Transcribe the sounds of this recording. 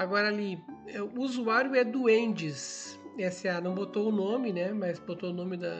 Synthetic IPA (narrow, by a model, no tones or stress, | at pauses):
aɡɔɾɐaliɛʊuzuaɾjʊɛd̪ʊẽnd͡ʒɪsɛsianɐ̃w̃bot̪oʊnõmɪnɛmɐzbot̪oʊnõmɪd̪ɐ